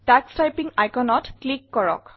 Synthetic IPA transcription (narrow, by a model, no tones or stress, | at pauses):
takstajpiŋajkɔnɔtklikːɔɹɔ̰k